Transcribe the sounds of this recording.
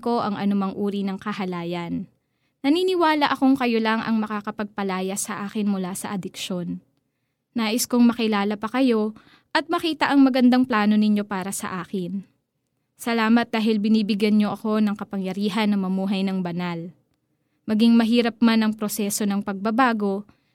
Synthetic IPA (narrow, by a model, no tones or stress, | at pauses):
ko̞ʔɐŋʔɐ̰nʊmɐŋʔuːɾinɐŋkɐɦɐlaːjɐnː | ɐniːnɪwaːlɐʔɐko̞ŋkɐjo̞lɐŋʔɐ̰ŋmɐkakɐpɐɡ̚pɐlaːjɐsɐʔaːkɪnmʊlasɐʔɐd̪ɪkʃo̞nː | aːʔɪskoŋmɐkɪlaːlɐpɐkɐjo̞ | ʔɐt̪̚mɐkiːt̪ɐʔɐŋmɐɡɐnd̪aŋplaːno̞nɪɲo̞paːɾɐsɐ̰ʔaːkɪn | sɐlaːmɐt̪̚d̪aːɦɪlbɪniːbɪɡjɐnɲo̞ʔɐko̞nɐŋkɐpɐŋjɐɾiːɦɐnːɐmɐmuːɦɐjnɐŋbɐnal | mɐɡiŋmɐɦiːɾɐp̚manɐŋpɾosɛso̞nɐŋpɐɡ̚bɐbaːɡo̞